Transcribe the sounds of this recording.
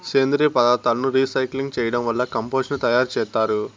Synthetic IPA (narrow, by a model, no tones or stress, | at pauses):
seːnd̪ɾipɐd̪aːt̪aːlɐnuɾiːsɐjkliŋɡt͡ʃɛːjɐɽɐmʋɐlːɐkɐmpoːʂɐnut̪ɐjaːɾt͡ʃɛːst̪aːɾu